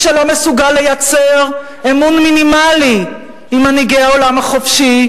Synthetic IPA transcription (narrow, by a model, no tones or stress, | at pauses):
ʃelo̞mesuɡalːe̞jat͡se̞ʁ | emunminimali | imaniɡeaolamaχofʃi